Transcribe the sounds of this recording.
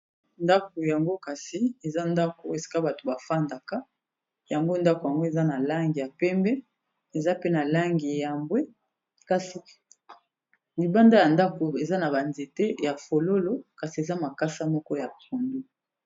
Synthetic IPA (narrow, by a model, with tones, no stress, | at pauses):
nda˦k̚o˨ja˨ŋɡo˦ka˨si˨e˨za˦nda˦ko˨e˨si̥˨ka˦ba˨to̥˨ba˨fa˦nda˨ka˦ | ja˨ŋɡo˦nda˦ko˨ja˨ŋɡo˦e˨za˦na˨la˦ŋɡi˨ja˨pɛ˦mbɛ˦ | e˨za˦pe˦na˨la˦ŋɡi˨ja˨mbwe˦ | ka˨si˨ | li˨ba˦nda˦ja˨nda˦ko˨e˨za˦na˨ba˨nze˨te˦ja˨fo˨lo˦lo˦ka˨si˨e˨za˦ma˨ka˦sa˦mɔ˦kɔ˦ja˨po˨ndu˦